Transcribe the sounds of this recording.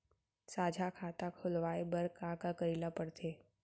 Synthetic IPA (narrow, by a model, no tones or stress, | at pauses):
saːd͡ʒʱakʰaːt̪akʰʊlʋaːebəɾkãkakəɾiːlapəɽt̪ʰeː